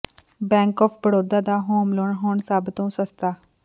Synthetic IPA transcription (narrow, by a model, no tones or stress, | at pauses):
bɛ̃ːŋkɔːpʰbəɽoːd̪aːd̪aːɦoːmloːɳɦoːɳsaːbt̪õːsəst̪ʰaː